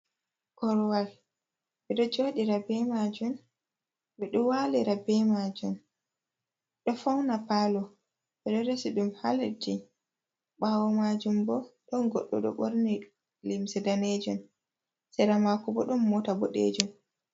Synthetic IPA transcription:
kɔɾwal | ɓɛɗɔd͡ʒoːɗiɾabɛmad͡ʒum | ɓɛɗɔwaliɾabɛmad͡ʒum | ɗɔfawnapalɔ | ɓɛɗɔɾɛsiɗumhald͡ʒi | ɓawɔmad͡ʒumbɔɗɔnɡɔɗːɔ̰ɗɔ̰ɓoɾni | limsɛdaned͡ʒum | sɛɾamakubɔɗɔmːɔtabɔɗḛd͡ʒum

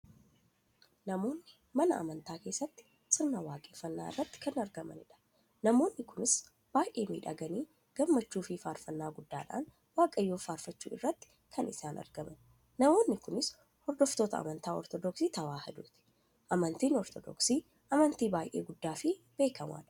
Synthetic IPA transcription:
nɐmo̞ːnːɪ | mɐnɐʔɐ̰mɐnt̪aːke̞ːsːɐt̪ːɪ̥ | sʼɪɾnɐwaːkʼeːfːɐnːaːɪ̰rːɐt̪ːɪ̥kɐnɐɾɡɐmɐ̰nɪᶑɐ̥ | nɐmo̞ːnːɪkʊnɪs | b̥aːjʔe̞ːmḭːᶑɐ̰ɡɐniː | ɡ̥ɐmːɐt͡ʃːuːfɪfaːɾfɐnːaːɡʊd̪ːaːᶑa̰ːn | waːkʼɐjːoːfaːɾfɐt͡ʃːṵːɪ̰rːɐt̪ːɪ̥ | kʰɐnɪsaːnʔɐ̰ɾɡɐmɐnː | ɐmo̞ːnːɪkʊnɪs | hɔɾd̪ɔft̪o̞ːt̪ɐ̰ɐ̰mɐnt̪aːɔ̰ɾt̪ɔd̪ɔksiːt̪ɐwaːhɐd̪uːt̪ɪ̥ | ʔɐmɐnt̪iːnɔɾt̪ɔd̪ɔ̰ksiː | ʔɐmɐnt̪iːbaːjʔḛːɡʊd̪ːaːfɪ | b̥e̞ːkɐma̰ːᶑɐ̥

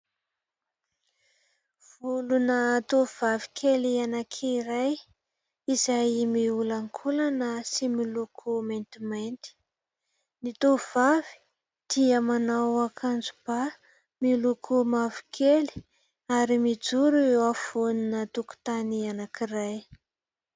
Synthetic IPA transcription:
v̥ulunət̪ovavi̥kʰelianakʰiɾaj | izajmiulaŋkʰulanəsimilukʰument̪imajnt̪i̥ | nit̪ovavi̥ | d̪̥iəmanawakʰand͡zub̥a | milukʰumavi̥kʰeli̥ | aɾimid͡zuɾuafoninət̪uku̥t̪anianakiraj

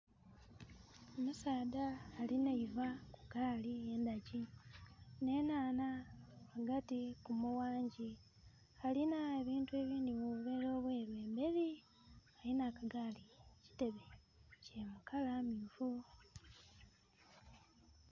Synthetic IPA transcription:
omusaːdaːlinaivaku̥ɡaːlie̞ːndaɟi | ne̞naːnaːɡatikumuwaːɲɟi | alinae̞βiːntue̞ːβiːndimuβuβe̞ːɾo̞ːβwe̞ːɾwe̞ːmbe̞ɾi | alinakaɡaːlici̥te̞βe | ce̞mukalamiːfu

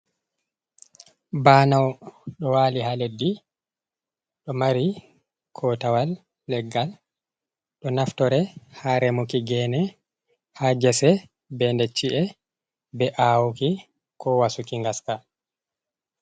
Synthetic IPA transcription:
banawɗɔwaːlihaledːi | ɗɔmaɾi | kʰɔtawalː | ɛɡːal | ɗɔnaftɔɾɛhaɾɛmukiɡɛnɛ | had͡ʒɛsɛ | bɛndɛt͡ʃːiʔɛ | bɛʔawuki | kɔwasukiŋɡaska

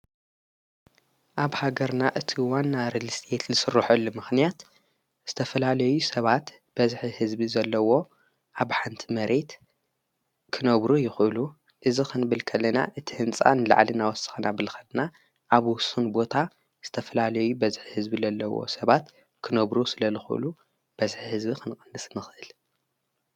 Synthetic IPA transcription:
ʔaβhaɡɐɾnaʔɨt̪ʰiwanːaɾɨlɨst̪ʰe̞t̪lɨsɨrːɨħɐlːumɨxnijat̪ | z̥ɨt̪ʰɐfɐlalɐjusɐβat̪ | b̥ɐzħihɨzbizɐlːɐwo̞ | ʔaβħant̪ʰimɐɾe̞t̪ | kʰɨnɐβɾujɪxʔɨlu | ʔɨzixʰɨnbɨlkʰɐlːɐna̰ʔɨt̪ʰihɨnt͡sʼa̰nɨla̰ʕlɨnawɔsɨ̥xnabɨlkʰɐlna | ʔaβwʊsunbo̞t̪ʰa | z̥ɨt̪ʰɐfɐlalɐjubɐzħihɨzbilɐlːɐwo̞̰sɐβat̪ | kʰɨnɐβɾusɨlɐlɨxʔɨ̰lu | b̥ɐzħihɨzbikʰɨnkʼɐndɨsnɨxʔɨl

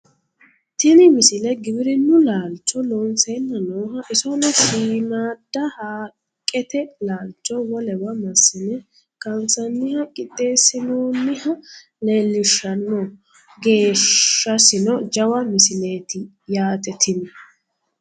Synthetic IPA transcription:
t̪ɪnɪmɪsɪlɛɡɪbɪɾɪnʊlaːlt͡ʃːɔloːnseːnːɐnoːɦɐʔɪsɔnɛʃiːnaːd̪̥ːɐhaː | kʼːɛt̪ɛlaːlt͡ʃʼːɔwɔlɛbɐmɐsːɪnɛ | kɐnt͡sɐnːɪhɐkʼɪt̪ʼːe̞ːsɪnoːnːɪhɐ | leːlːɪʃːɐnːɔ | ɡe̞ːʃːɐsɪnɔd͡ʒɐwɐmɪsɪle̞ːt̪ɪ | jaːt̪ɛt̪ʰɪnɔ

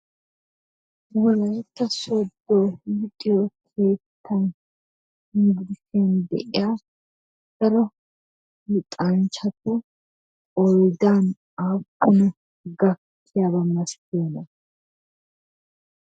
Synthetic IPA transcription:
wɔlɐjt̪ːɐsod̪ːoːɪt̪ʼɪjokʰeːt̪ʰːɐn | hɪŋɡɪd̪ɪseːnd̪ɛ̰ʔɪ̰jaː | d̪̥ɐɾɔ | mɪt̪ʼɐnt͡ʃɐt̪ʊ | ɔjd̪aːn | aːbːʊnɛ | ɡɐkʰːɪjabɐmːɐskɪnɐ

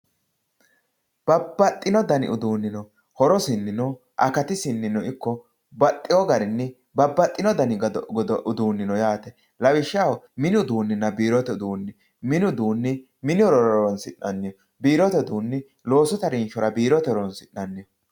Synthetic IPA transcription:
b̥ɐbːɐt̪ʼːɪnɔd̪ɐnɪ̰ʔʊd̪uːnːɪnɔ | hɔɾɔsɪnːɪnɔ | ʔɐkɐt̪ɪsɪnːɪnɔɪkːɔ | bɐt̪ʼːɪwɔɡɐɾɪnːɛ | bɐbːɐt̪ʼːɪnɔd̪ɐnɪɔʔʊd̪uːnːɪnɔjaːt̪ɛ | lɐwɪʃːɐwmɪnʊd̪uːnːɪnːɐbiːɾɔt̪ɛd̪uːnːɪ | mɪnʊd̪uːnːɪ | mɪnɪɔɾɔɾɾɔɔnsɪʔːɐnːɪjɔ | biːɾɔt̪ɛd̪uːnːɪ | lo̞ːsɔt̪ɐɾɪnʃɔɾɐbiːɾɔt̪ɛɾɔnsɪnːɐnːɪjɔ

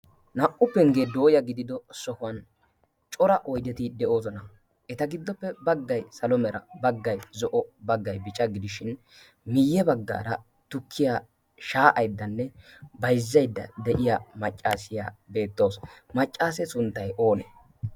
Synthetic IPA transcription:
nɐʔʼːʊpːɛŋɡeːd̪o̞ːjɐɡɪd̪ɪd̪ɔsɔkʊɐn | t͡ʃʼɔɾɐʔɔjd̪ɛt̪ɪd̪ɛʔo̞ːzɔnɐ | ʔɛt̪ɐɡɪd̪ːɔpːɛbɐɡːɐjsɐlɔmɛɾɐbɐɡːɐjzɔʔɔbɐɡːɐjbɪt͡ʃʼɐɡɪd̪ɪʃɪn | mɪjːɛbɐɡːa̰ːɾɐ | t̪ʊkʰːɪja | ʃaːʔɐjd̪ːɐnːɛbɐjzːɐjd̪ːɐ̰d̪ɛʔɪjaːmɐt͡ʃʼːaːsɪja̰ːbe̞ːt̪ːo̞ːsmɐt͡ʃʼːaːs̬ɛsʊnt̪ːɐjo̞ːnɛ̰

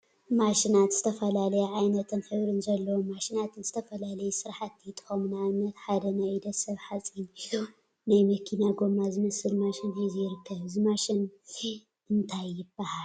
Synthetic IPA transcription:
maʃinat̪z̥ɨt̪ʰɐfɐlalɐjɛʕajnɐt̪ʰɨnħɨβɾɨnzɐlːɐwomːaʃinat̪ʰɨnzɨt̪ʰɐfɐlalɐjusɨɾħat̪ːit̪ʼɨ̥xomnanːɐt̪ħad̪ɐnad̪ɐsɐβħat͡sʼiɲ | najmɐkʰinaɡomazɨmɐsɨlmaʃɪnhizijɪɾɨkʰːɐβɨzimaʃɪn | ɨnt̪ʰajːɪbːahal

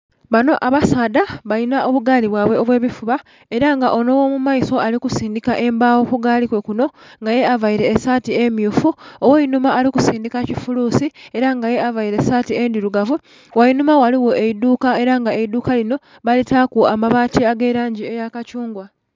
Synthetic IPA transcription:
βano̞ʔaβasaːd̪aβalinaʔo̞βuɡaːliβwaːβwe̞o̞βwe̞ːβifuβa | e̞ɾaŋɡaʔo̞no̞wo̞mumaiso̞alikusiːndikaʔe̞mbaːwo̞kuɡaːlikwe̞kuno̞ŋɡaje̞avajiɾe̞ːsaːtie̞mjufuowajinumaːlikusiːndikacifuluːsie̞ɾaŋɡaje̞avajiɾe̞satiendiɾuɡavu | wainumawaliwo̞ʔeiduːkae̞ɾaŋɡaeiduːkalino̞ | βalitakuamaβaːtiaɡe̞ɾaːɲɟie̞jakacuːŋɡwa

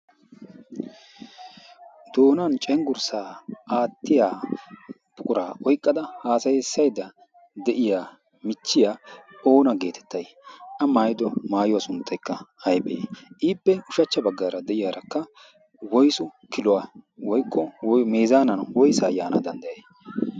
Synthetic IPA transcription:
d̪̥o̞ːnɐnt͡ʃʼɛŋɡʊɾsaːʔaːt̪ːɪjaː | b̥ʊkʼʊɾaːʔɔjkʼːɐd̪ɐhaːsɐjɛsːɐjd̪ɐ | d̪ɛʔɪjaː | mɪt͡ʃːɪjaːoːnɐɡe̞ːt̪ʰɛ̥t̪ːɐj | ʔɐmaːjd̪ɔmaːjʊwasʊnt̪ʰːɐjkːɐɐjbeːʔiːpːɛʊʃɐt͡ʃːɐbɐɡːaːɾɐd̪ɛʔɪjaːɾɐkːɐ | wɔjsʊkɪlʊwawɔjkːɔmeːzaːnɐnwɔjsaːjaːnɐd̪ɐnd̪ɐjej

